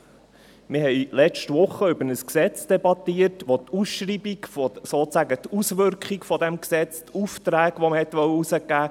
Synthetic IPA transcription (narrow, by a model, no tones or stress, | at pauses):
mɪɦɛɪlɛt͡ʃtʋʊχəʏbənəsksɛt͡sd̥ɛbɑt̪iətʋot̪usʃɾiːbikfosoːt͡sæɡət̪usʋʏɾkχikfɔd̪ɛmksɛt͡st̪ʰuft̪ɾæːɡʋoməhɛt̪ʋœwəusəɡæː